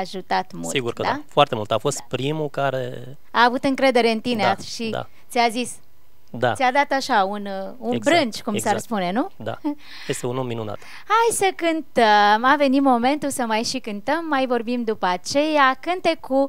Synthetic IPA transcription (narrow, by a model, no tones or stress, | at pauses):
aʒut̪at̪mṵliɡuɾkəd̪afoart̪emult̪afo̞st̪̚pɾimukaɾḛ | aːvut̪ɨŋkɾe̞d̪e̞ɾe̞ɨnt̪ineaʃid̪a̰siazis | d̪a̰sʲiad̪at̪aʃaununbɾɨnt͡ʃkumsarspune̞nud̪a̰ | jest̪eunomːinuna̰t̪ | hajsəkɨnt̪əmave̞nimo̞me̞nt̪usəmajʃikɨnt̪əmːajvo̞rbimd̪upəat͡ʃe̞jakɨnt̪e̞ku